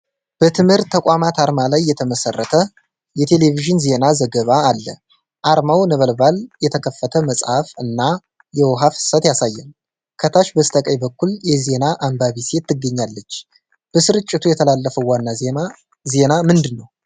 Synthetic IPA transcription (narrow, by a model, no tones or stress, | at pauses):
b̥ət̪ʰɨmhɨɾt̪ʰːəkʷʼamat̪aɾmalajːɛt̪ʰəməsərːət̪ʰə | jɛt̪ʰe̞le̞viʒɨnze̞nazəɡəβaːlːə̰ | ʔaɾmawnəβəlbaljɛt̪ʰəkʰəfːət̪ʰəməsʼhafɨnːa | jɛwɔɦafsət̪jasajːɛn | kʰət̪ʰaʃbəst̪ʰʼəkʼəjbəkːuljɛze̞naʔambaβise̞t̪ʰːɨɡːəɲːalːət͡ʃː | b̥əsɨɾɨt͡ʃʼːɪt̪ʰujɛt̪ʰəlalːəfəwanːa | ze̞namɨnd̪ɨnːəw